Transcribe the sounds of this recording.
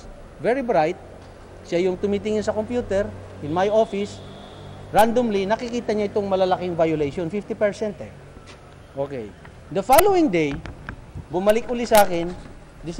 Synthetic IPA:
vɛɹibɾajt̪̚ | ʃajʊŋt̪ʊmit̪̬ɪŋɪnsɐkompjuːt̪ɛɾ | ʔɪnmajofɪs | ɹand̪omlinɐkɪkiːt̪ɐɲaʔɪt̪oŋmɐlɐlakɪŋvajʊlejʃonfift̪ɪpɛɹsɛnt̪ɛ | ʔoːkɛ̰j | d̪ɐfalowɪŋd̪ej | bʊmɐlɪkʔʊlɪsɐʔaːkɪn | d̪ɪs

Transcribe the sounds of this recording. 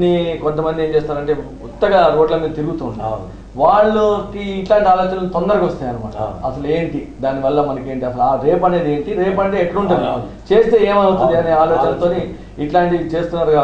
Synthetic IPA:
ikɔnt̪̬ɐmɐnd̪ie̞ːmt͡ʃeːst̪aːɾɐɳʈe̞ː | ut̪ːɐɡaɾo̞ːɖlɐmiːɾut̪iɾuɡut̪uːni | ʋaːɭːɐkiːʈlaːɳʈiaːloːt͡ʃɐnɐlt̪ond̪ɐɾɐkɔst̪aːjaːnuma̰ːʈɐ̰ɐsɐlueːɳʈid̪aːniʋɐlːɐmɐnɐke̞ːɳʈiɐsɐluaːɾe̞ːpɐne̞ːd̪ieːɳʈiɾeːpɐɳʈe̞ːeʈːɐɽuɳʈund̪it͡ʃe̞ːst̪e̞ːeːmɐnut̪und̪iɐneːaːloːt͡ʃɐnɐt̪o̞ːni | iʈlaːɳʈit͡ʃe̞ːst̪unːaːɾɡa

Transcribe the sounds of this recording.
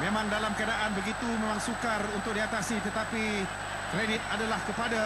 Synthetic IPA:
memãŋdalamkəadaʔanbəɡit̪umẽmãŋsukarunt̪ʊk̚diat̪asit̪ət̪api | kɾedɪt̪̚adalahkəpada

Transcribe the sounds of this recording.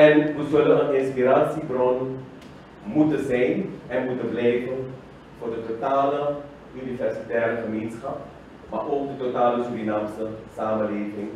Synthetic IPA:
ɛnʋəzɵlənənɪnspiraːsibrɔn | mutəzɛjnɛnmutənblɛjvən | vʊːrdətotaːlə | ʔynifɛrsitɛːrəχəmeːnsχɑp̚ | maʔoːk̚dətotaːləsurinamsəsaːmənleːvɪŋ

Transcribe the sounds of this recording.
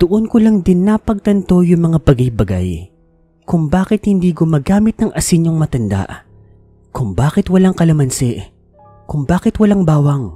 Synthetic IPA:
d̪̥oʔonkʊlaŋd̪ɪnːapɐɡ̚t̪ɐnt̪o̞jʊŋmɐŋapɐɡajbɐɡa̰j | kʊŋbaːkɪt̪hɪnd̪iːɡʊmaːɡaːmɪt̪̚nɐŋʔɐsɪɲoŋmɐt̪ɐnd̪a̰ʔ | kʊŋbaːkɪt̪wɐlaŋkɐlɐmɐnsɛʔ | kʊŋbaːkɪt̪wɐlaŋbaːwɐŋ

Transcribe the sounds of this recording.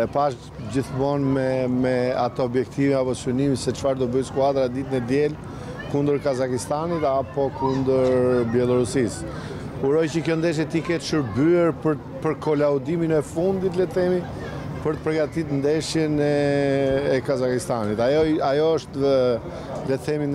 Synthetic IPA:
ɛpaʃ | d͡ʑiθmɔnmɛmɛat̪ɔɔbjɛkt̪ʰiviapɔsynimisɛt͡ʃfaɾd̪ɔbœjskuad̪ɾad̪it̪nɛd̪jɛl | kund̪əɾkazakist̪anit̪apɔkund̪əɾɾbjɛlˠɔɾusis | uɾɔjcəkjɔnd̪ɛʃ̬jɛt̪ikɛt̪ʃəɾbyɛɾpəɾ | pəɾkɔlaud̪iminɛfund̪it̪lɛt̪θɛmi | pəɾt̪ə̥pəɾɡat̪it̪nd̪ɛʃjɛnɛː | kazakist̪anit̪ajɔajɔəʃt̪ | lɛt̪θʰɛmin

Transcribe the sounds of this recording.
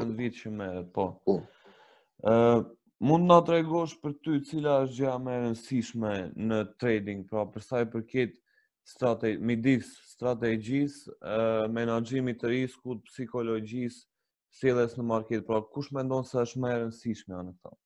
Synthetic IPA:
ənd̪vit̪t͡ʃəmɛɾɛt̪̚pɔ | mund̪nat̪ɾɛɡɔʃpəɾt̪yt͡silaəʃ̬d͡ʒamɛɾənsiʃmɛnət̪ɾɛd̪iŋɡ̚pɾapəɾsajpəɾkɛt̪ | st̪ɾat̪ɛmid̪isːt̪ɾat̪̬ɛd͡ʑis | mɛnad͡ʒimit̪əɾiskut̪̚psikɔlɔd͡ʒis | sɛlˠɛsnəmaɾkɛt̪̚pɾakuʃmɛnd̪ɔnsɛəʃt̪mɛɾənsiʃmɛanək̚t̪a̰

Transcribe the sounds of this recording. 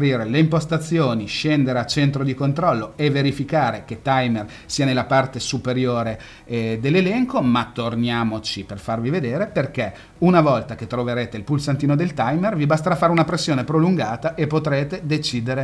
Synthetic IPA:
ɾiːɾeleimpost̪at̪sːjoːniʃɛnd̪eɾeat͡ʃent̪ɾod̪ikont̪ɾɔlːoevːeɾifikaːɾek̟et̪ːajmer | siːanelːapart̪esupeɾjoːɾe | d̪elːelɛŋkomat̪ːornjaːmot͡ʃiperfarvived̪eːɾeperk̟ɛ | unavɔlt̪ak̟et̪ːɾoveɾeːt̪eilpulsant̪iːnod̪elt̪ajmervibast̪aɾafːaːɾeunapɾesːjoːnepɾoluŋɡaːt̪aʔepːot̪ɾeːt̪ed̪et͡ʃiːd̪eɾe

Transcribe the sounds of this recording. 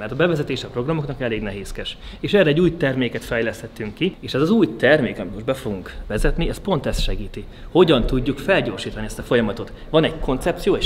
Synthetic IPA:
mɛrt̪ɒbɛvɛzɛt̪eːʃɛɒpro̞ɡrɒmo̞knɒkɛleːɡnɛɦeːskɛʃeːʃɛːrɛɟːuːjt̪ɛrmeːkɛt̪fɛjlɛst̪hɛt̪ːyŋkːieːʃɛzɒzuːjt̪ɛrmeːkɒmit̪mo̞ʒbɛfo̞ɡuŋkʋɛzɛt̪niɛspo̞nt̪ɛst̪ʃɛɡiːt̪i | ho̞ɟɒnt̪uɟːukfɛlɟoːrʃiːt̪ɒniɛst̪ɒfo̞jɒmɒt̪o̞t̪ | ʋɒnɛɟkʰo̞nt̪sɛp̚tsijoːeʃ

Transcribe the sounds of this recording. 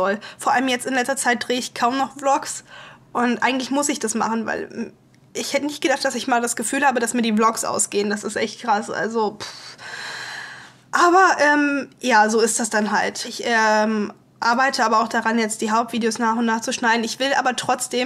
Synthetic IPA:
ɔlfoːɐʔa̰ləmjɛt͡stɪnlɛt͡stɐt͡saɪt̚d̥ʁeːəɪçkʰaʊmnɔχb̥lɔksʔʊntʔa̰ɪɡŋ̩tlɪçmʊsɪçd̥asma̰χn̩va̰ɪl | ʔɪçhɛtənɪçt̚ɡ̥ədaχt̚d̥asɪçmaːldasɡ̥əfyːlhaːbədasmiːɐdiːblɔksʔa̰ʊsɡ̥eːənd̥asɪstʔɛçtkʁ̥asʔa̰lzop | ʔaːbɐʔɛːmjaːzoːɪst̚d̥asd̥anɦaltʔɪçʔɛm | ʔaɐbaɪtʰəaːbɐaʊxd̥aʁanjɛt͡st̚d̥iːɦaʊp̚tv̥iːdeoːsnaːχʊntnaːχt͡suʃnaɪdn̩ɪçv̥ɪlʔa̰ːbɐtʁ̥ɔt͡sd̥eːm

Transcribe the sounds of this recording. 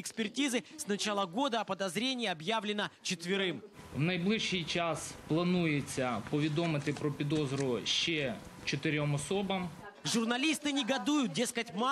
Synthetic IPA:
ɪkspʲɪrtʲizɨsnɐt͡ɕalˠəɡo̞d̪əɐpəd̪ɐzɾʲenʲɪːiɐbjavlʲɪnət͡ɕɪt̪vʲɪɾɪm | wnɐjblˠɪʃijt͡ʃasplˠɐnujet͡sʲːɐpɔʋʲid̪ɔmɪt̪ɪpɾɔpʲid̪ɔzɾʊʃt͡ʃɛt͡ʃɔt̪ɪɾʲɔmɔsɔbɐm | ʐʊrnɐlʲist̪ɨnʲɪɡɐd̪ujʊt̪̚dʲe̞skətʲma

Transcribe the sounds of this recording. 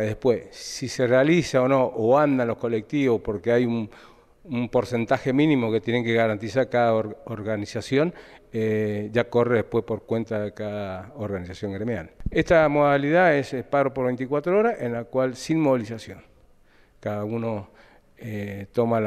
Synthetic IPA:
ðehpwessiserealisaono̞ʔoand̪anlo̞hko̞lek̚t̪iβo̞spo̞ɾkeajun | umpo̞ɾse̞nt̪axe̞mĩnĩmo̞ket̪jene̞ŋkeɣaɾant̪isaɾkaðaoɾɣanisasjo̞neʒako̞reðehpwe̞hpo̞ɾkwe̞nt̪aðekaðaoɾɣanisasjo̞ŋɡɾemja̰lest̪amo̞ðaliðaesepaɣɾopoɾβe̞jnt̪ikwat̪ɾooɾaʔenlakwalsinmo̞βilisasjo̞n | kaðauno̞ | et̪o̞mal

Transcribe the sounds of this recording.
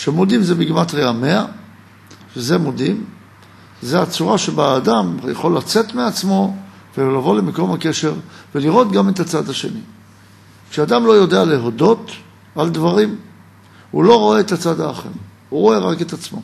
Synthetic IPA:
ʃemo̞dimzebiɡmat̪ʁeame̞a | ʃezemodim | zeat͡suʁaʃebaːdamjaχo̞lːat͡se̞t̪meat͡smo̞ | velavo̞lemeko̞mhake̞ʃe̞ʁveliʁo̞t̪ɡame̞t̪at͡sad̪aʃe̞̰ni | kʃeadamlo̞jo̞dealeɦo̞do̞t | aldvaʁim | ulo̞ʁo̞e̞ːt̪at͡sad̪aːχḛʁ | uʁo̞e̞ʁake̞t̪at͡smo̞

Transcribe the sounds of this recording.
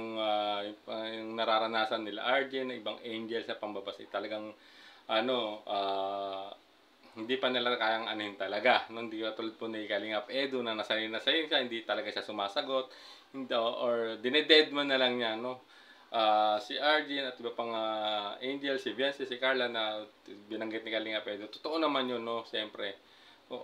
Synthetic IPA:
ʊŋajpjʊŋnɐɾaɾɐnaːsɐnːɪla̰ʔaɹd͡ʒɪnːɐŋʔɪbaŋʔɛjnd͡ʒɛlsnɐpɐŋbɐbasɪ̰t̪ɐlɐɡaŋ | ʔɐno̞ʔaː | hɪnd̪ipɐnɪlakaːjɐŋʔɐ̰nohɪnt̪ɐlɐɡanohɪnd̪ikpat̪ʊlɐd̪̚ponɐɡikɐlɪŋapʔɛd̪ʊnɐnɐsɐjinːɐsɐjɪnʃahɪnd̪it̪ɐlɐɡaʃasʊmaːsɐɡo̞t̪̚ | oʔoɹd̪ɪnɛd̪ɛd̪̚manːɐlɐŋɲano̞ | ʔaːsiʔaɹd͡ʒɪnɐt̪̚ʔɪbapɐŋaʔɛnd͡ʒɛlsɪbɛnsɪsɪkaɹlɐnɐ | bɪnɐŋɡɪt̪̚nɪkalɪŋɐpʔɛːd̪ot̪o̥t̪oʔo̞nɐmanjonːo̞ʃɛmpɾɛ | ʔoʔ

